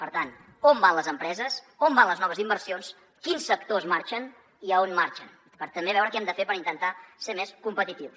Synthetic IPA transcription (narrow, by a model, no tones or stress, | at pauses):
pəɾt̪an | ombanləzəmpɾɛzəs | ombanləznɔβ̞əzimbəɾsions | kinsːəkt̪ozmaɾt͡ʃən | iəonmaɾt͡ʃən | pəɾt̪əmbeβɛwɾəkɛmd̪əfepəɾint̪ənt̪asemeskumpət̪it̪iw